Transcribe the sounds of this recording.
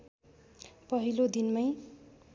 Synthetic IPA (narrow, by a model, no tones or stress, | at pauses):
pʌɦilod̪inmaj